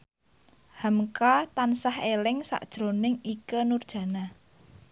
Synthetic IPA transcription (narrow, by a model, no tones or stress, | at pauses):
hamkat̪ansahelɪŋsa̰ʔd̥ʒ̥ɾo̤nɪŋikənurd̥ʒ̥ä̤na